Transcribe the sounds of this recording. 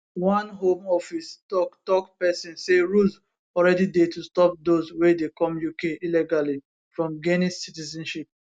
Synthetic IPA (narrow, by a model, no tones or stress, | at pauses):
wãnɦõmɔfistɔktɔkpɛsĩnseɹuz | ɔlɹɛdidetustɔp̚dozwedekɔ̃mjukeiliɡali | fɹɔ̃mɡenĩssitizɛ̃nʃip̚